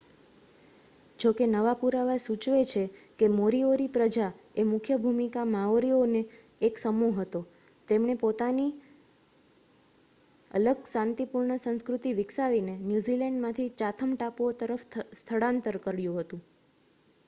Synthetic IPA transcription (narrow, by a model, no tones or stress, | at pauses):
d͡ʒokenəʋapuɾaʋasut͡ʃʋet͡ʃʰekemoɾioɾipɾəd͡ʒaemʊkʰjəbʱumikamãʋoɾioneː | ksəmuɦət̪o | t̪emɳ̃epot̪ani | ə̰ləɡsãnt̪ipuɾɳəsə̃nskɾut̪iʋɪksaʋinenjuzilɛɳɖmãt̪ʰit͡ʃat̪ʰəmʈapot̪əɾəfst̪ʰəɽãnt̪əɾkəɾjũɦət̪ũ